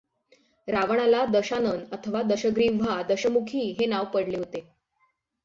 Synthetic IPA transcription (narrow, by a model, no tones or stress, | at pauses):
ɾaʋəɳ̃alad̪əɕanənət̪ʰəʋad̪əɕəɡɾiːʋʱad̪əɕəmukʰiːɦenaʋpəɽleɦot̪e